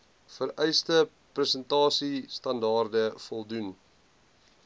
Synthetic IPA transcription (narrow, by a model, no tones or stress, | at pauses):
fəɾɛjstə | prəsəntɑːsistɐndɑːrdəfɔlˠdun